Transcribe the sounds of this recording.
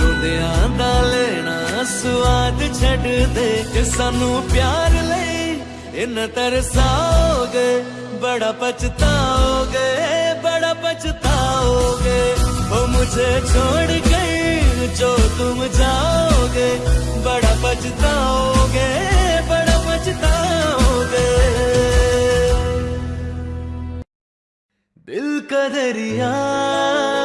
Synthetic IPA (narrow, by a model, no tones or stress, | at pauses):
od̪eãːnd̪aleːɽ̃aːsʊʋaːd̪t͡ʃʰɐɖd̪eksaːnũːpjaːɾləi | ɪnət̪ɐɾsaːoɡeː | bəɽapɐt͡ʃt̪aɦoːɡebəɽapɐt͡ʃt̪aɦoːɡeɦoːmʊd͡ʒʱet͡ʃʰoːɽɡəid͡ʒoːt̪ʊmd͡ʒaːoɡe | bəɽabɐt͡ʃt̪aɦoːɡebəɽabət͡ʃt̪aɦoːɡe | bɪlkəd̪əɾɪjaː